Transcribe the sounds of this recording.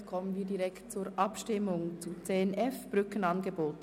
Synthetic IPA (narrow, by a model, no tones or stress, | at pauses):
kʰɔmənviːɐdiʁɛktt͡suːɾʔɑpʃtɪmʊŋt͡sut͡seːɛnɛfb̥ʁʏkən̩ɑnɡeboːt